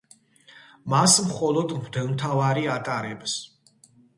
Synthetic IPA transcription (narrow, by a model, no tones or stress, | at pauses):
masmχɔlˠɔd̪d̪ɛlmt̪ʰavaɾiat̪ʼaɾɛbs